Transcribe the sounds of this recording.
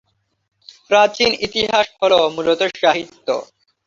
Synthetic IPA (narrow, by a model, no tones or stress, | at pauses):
pɾat͡ɕinit̪iɦaʃɦolomulot̪oʃaɦit̪ːo̰